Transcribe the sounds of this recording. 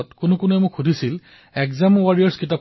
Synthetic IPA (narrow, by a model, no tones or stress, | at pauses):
ɔtkʊnʊkʊnuɛmʊkʰxudʱisil | ɛkzamwaɹijɔɹskit̬a